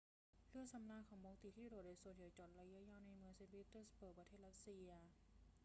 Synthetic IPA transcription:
lɯ˥˩əŋsa˨˧˦mnaː˧˨kʰɔː˩˦ŋboː˧ŋt̪iː˧˩t̪ʰiː˥˩ɾoː˨˩t̚doː˧˩su˨˩˦nʰɯː˨˩˦jt͡ɕɔ˨˩t̪̚la˧jɯ˦˥jaː˧˥˩na˧jmɯ˧əŋse˧npʰiː˦˥t̪ɯː˥˩spɤː˨˩pɾa˧t̪ʰeː˥˩ɾa˦˥t̪̚si˧ɐ˧

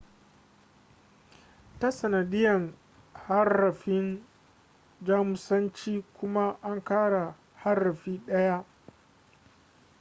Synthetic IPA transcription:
ta˦sɐ˨nɐ˨dɪ˦jɐ˨ŋ | ha˦rɐ˨ɸɪ˦n | d͡ʒaː˦mʊ˨sɐ˦nt͡ʃiː˦kʷʊ˦ma˦ʔa˦ŋkaː˦ɽa˨ | ha˦rːɐ˨ɸiː˦ɗɐ˦ja˦ʔ

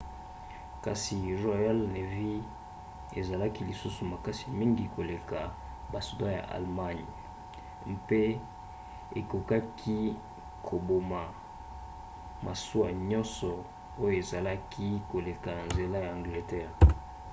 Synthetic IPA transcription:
ka˨si˨ʁo˨ja˦lne˨vi˦ | e˨za˨la˦ki˦li˨su˦su˨ma˨ka˦si˨mi˦ŋɡi˨ko˨le˨ka˨ | ba˨su˨dã˦ja̰˨ʔa̰˨lma˦ɲ˨ | mpe˦ | e˨ko˨ka˦kʰi˦ | kʰo˨bo˨ma˨ | mʔa˨su˦a˨ɲɔ̃˦nsɔ˨ | o˦jo˦˨e˨za˨la˦kʰi˦ko˨le˨ka˨na˨nze˨la˦ja˨ã˨ŋɡle˨tɛ˦ʁ

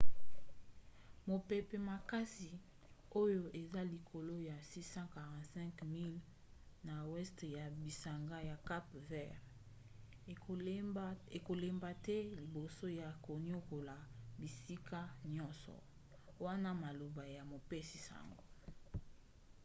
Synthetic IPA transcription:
mo˨pe˨pe˨ma˨ka˦si˨ | o˦jo˨ʔe˨za˦li˨kʰo˨lo˦ja˨si˦sã˦ka˨ʁã˨tsɛ̃˦ŋkmi˦l | na˨wɛ˦stja˨bi˨sa˨ŋɡa˦ja˨ka˦pvɛ˦ʁ | e˨ko˨le˨mba˨tɛ˦li˨bo˨so˦ja˨ko˨ni˦o˦ko˨la˨bi˨si˦ka˦ɲɔ̃˦nsɔ̰˨ | wa˦na˦ma˨lo˨ba˨ja˨mo˨pe˦si˨sa̰˨ŋɡo˦

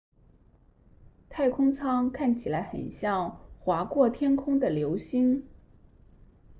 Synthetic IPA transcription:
t̪ʰa˥˩ɪkʰʊ˥ŋt͡sʰɑ˥ŋkʰa˥˩nt͡ɕʰi˨˩la˧˥ɪxə̰˨˩nɕjɑ˥˩ŋxwa˧˥kwɔ˥˩t̪ʰjɛ˥nkʰʊ˥ŋd̪ə˨˩ljo˧˥ʊɕi˥n

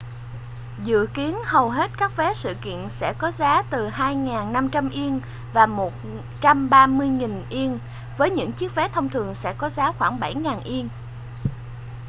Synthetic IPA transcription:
zɨ̰˧˨əki˨˦ənhə˨˩wɦe˦˥t̚kaː˦˥k̚vɛ˨˦sɨ̰˧˨kḭ˧˨ənsɛ̰˧˥kɔ˨˦zaː˨˦t̪ɨ˨˩haː˧jŋaː˨˩nːa˧mt͡ɕa˧mʔi˧ən | vaː˨˩mo˨˩t̚ | t͡ɕa˧mɓaː˧mɨ˧əjŋi˨˩nʔi˧ən | vəː˨˦jɲɨ̰˧˥ŋt͡ɕi˦˥ək̚vɛ˨˦t̪ʰə˧wŋ͡mt̪ʰɨ˨˩əŋsɛ̰˧˥kɔ˨˦zaː˨˦xwaː˧˩ŋɓa˧˩jŋaː˨˩nʔi˧əŋ

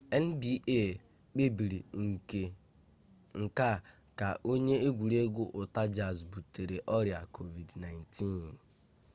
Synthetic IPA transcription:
e˦n̩˦bi˦ʔe˦˨ | k͡pe˦bi˨ɾi˨ŋ̩˨ke˦ | ŋ̩˨ka˦˨ | ka˨ʔo˦ɲe˦e˦ɡʷu˨ɾe˦ɡʊ˦ʔʊ˨ta˦d͡ʒa˨zbu˨te˨ɾe˨ʔɔ˦ɾja˨kʰo˨vi˨dna˨jntʰi˦n˨

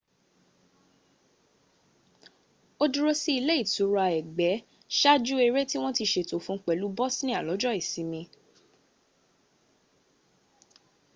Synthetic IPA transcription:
o˦du˧ɾo˧si˦i˧le˦i˦˨tu˨˦ɾu˧a˧ɛ˨ɡ͡bɛ˨˦ | ʃa˦d͡ʒu˦e˧ɾe˦ti˦w̃ɔ̃˦ti˧ʃe˧to˨fũ˧˦k͡pɛ˨lu˨˦bɔ˦snĩ˦a˦˨lɔ˨˦d͡ʒɔ˦i˦˨si˨˦mĩ˧

